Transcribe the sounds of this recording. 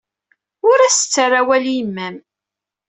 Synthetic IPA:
ʊɾæsət͡sːərːawælimːæm

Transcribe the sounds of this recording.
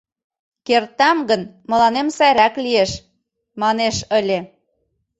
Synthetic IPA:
kert̪æmɡə̆nmɤ̆lɑnemsæɾæklijeʃ | mɑneʃə̆lʲe

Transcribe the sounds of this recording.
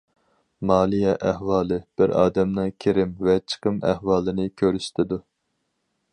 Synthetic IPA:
mɑːlˠijɛʔæhwɑːlˠɨb̥ɪɾɑ̰ːd̪ɛmnɨŋkʲʰeɾɪmvɛt͡ʃʰə̥qʰəmæ̰hwɑːlˠɨnɨkʲʰøɾyʃt̪ʰɪd̪u

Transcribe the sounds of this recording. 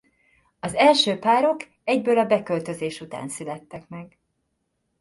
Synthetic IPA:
ɒzɛlʃøːpaːɾo̞k | ɛɟbøːlɒbɛkølt̪ø̞zeːʃut̪a̰ːnsylɛt̪ːɛkmɛɡ

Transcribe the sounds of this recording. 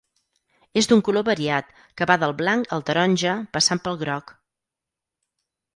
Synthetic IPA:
ezd̪uŋkuloβəɾiat̪ | kəβaðəlˠβlaŋkəlˠt̪əɾɔnʲʒəpəsampəlˠɣɾɔk

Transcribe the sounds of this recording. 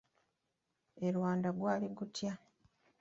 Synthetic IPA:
eɾwaːndaɡwaːliɡutʰja

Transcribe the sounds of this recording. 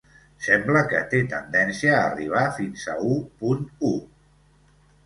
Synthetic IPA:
sɛmbləkə̰t̪et̪ənd̪ɛnsiəːriβ̞afinzəupunu

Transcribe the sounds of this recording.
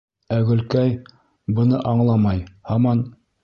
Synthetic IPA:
æɡɵ̆lkæj | bɤ̆nɤʔɑɴlˠɑmɑjhɑmɑn

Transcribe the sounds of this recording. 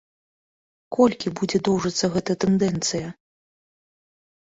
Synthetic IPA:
kɔlʲkʲibud͡zʲɛd̪ɔwʐɐt̪sːɐɣɛt̪ɐjɐt̪ɛnd̪ɛnt̪sɨjɐ

